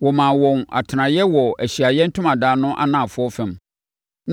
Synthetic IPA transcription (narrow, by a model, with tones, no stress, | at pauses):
wɔ˨mã˨wɔ̃˨na̰˨tʰnã˨jɛ˦wɔ˨æ˨ɕi˨a˨jɛ˦n̩˦tʰʊ̃˦mã˨daː˨˦nʊ̃˦ʔa̰˦nãː˨fʊ˦ɔ˦fɛ̃˨m | n